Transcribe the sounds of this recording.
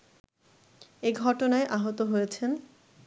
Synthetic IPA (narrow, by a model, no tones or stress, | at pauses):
eɡʱɔʈonaeʔaɦot̪oɦojet͡ɕʰen